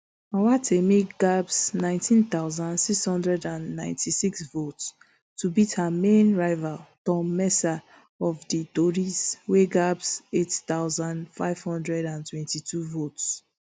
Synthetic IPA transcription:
awatʰemiɡabsnãɪ̃ntĩnθaʊzãndsikshɔ̃ndɹɛdãnːãɪ̃ntʰisiksvots | tubithamẽnɹaɪvaltɔ̃mːɛsa | ɔfditoɹisweɡabsettaʊzãndfaɪv̥hɔ̃ndɹɛdãntwɛ̃ntitʰuvots

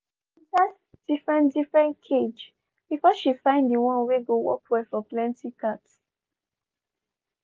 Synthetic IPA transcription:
ʃid͡ʒas | d̥ifɹɛ̃ndifɹɛ̃nkʰed͡ʒ | b̥ifɔʃifãɪ̃ndiwɔ̃nweɡowɔ̰kwɛfɔplɛ̃ntikʰats

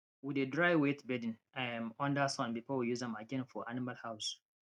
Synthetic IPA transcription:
widedɹaɪwetbɛdĩn | ãmɔ̃ndasɔ̃nbipʰɔwijuzɛ̃maɡɛ̃nfɔʔanimalhaʊs

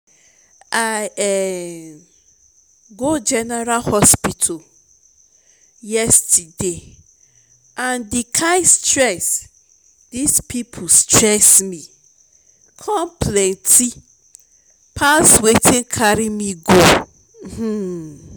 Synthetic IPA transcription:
ajɛ | ɡod͡ʒɛnɛɾalhɔspitʰal | jɛstde | ʔãndikʰaɪstɹɛs | dispʰipʰostʰɹɛsmĩ | kʰɔ̃mpʰlɛ̃ntʰi | pʰaswetʰɪ̃nkʰaɾimĩɡo | h̩

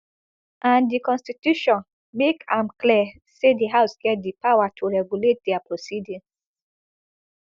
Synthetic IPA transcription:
ʔãndikɔ̃nstitjuʃɔ̃n | mekãmkli | sediɦaʊsɡɛt̚dipawatʰuɹɛɡjulet̚dɛapɹosidĩŋs

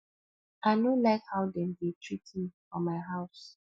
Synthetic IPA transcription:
aɪnolaɪkhaʊdɛ̃mditʰɹitʰifɔmaɪɦaʊs

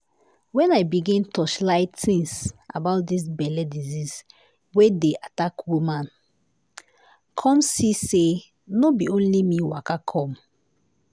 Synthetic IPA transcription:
wɛ̃najbiɡĩntʰɔʃlaɪtθĩŋsa̰baʊt̚d̪is̬bɛlɛdizis | wedeʔatakwumãn | kʰɔ̃msise | nobiõnlimiwakakʰɔ̃m

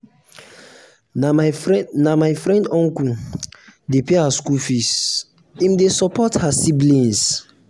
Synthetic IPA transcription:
namajfɾɛ̃ndɔ̃ŋku | depeaskufis | ĩmdesɔpɔthasiblĩns

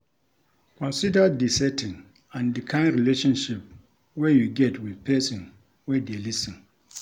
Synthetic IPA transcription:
kʰɔ̃nsidədisɛtʰĩn | ãndikʰãɪ̃nɹileʃɔ̃nʃip̚ | wɛjuɡɛtwið̥pʰɛsĩn | wɛdelisĩn

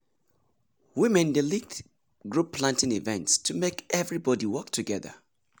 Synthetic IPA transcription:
wɪ̃mɛ̃ndɪlik̚t | ɡɹupʰːl̥ãntɪ̃ŋivɛ̰̃ntstʰɨmekɛvɹibɔdiwɜk̚tʰɨɡɛðə̰

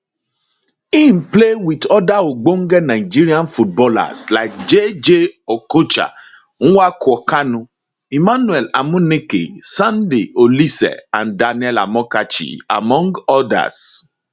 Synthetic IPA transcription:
ĩmplewidɔdaoɡ͡boŋ̩ɡɛnãid͡ʒiɾiãnfut̚bɔla̰slaɪk̚d͡ʒed͡ʒeɔkot͡ʃa̰ | ñ̩wakuɔkanũ | imãnũɛla̰mũnekḛsãndeolisɛ̰ãndanɛla̰mɔ̃kat͡ʃḭa̰mɔ̃ŋɡɔda̰s

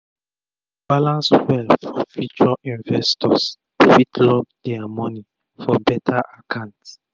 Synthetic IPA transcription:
b̥alãnswɛlfɔfut͡ʃɔɹaĩnvɛstɔs | tewitʰlɔp̚d̥ɛamɔni | fɔbɛtʰaʔakʰãʊ̃nt

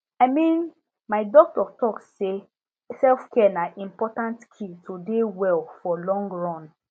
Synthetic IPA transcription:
aɪmĩn | maɪdɔk̚tɔtɔksse | sɛlfkʰɛnaʔĩmpɔtãntkʰitodewɛlfɔlɔ̃ŋɡɹɔ̃n

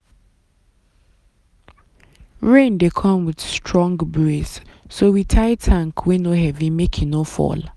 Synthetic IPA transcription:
ɹẽndekʰʌ̃mwɪd̥stʰɹɔ̃ŋɡbɹessowitʰaɪtʰãŋkʰwenoɦɛvĩmekʰinofɔ̰l

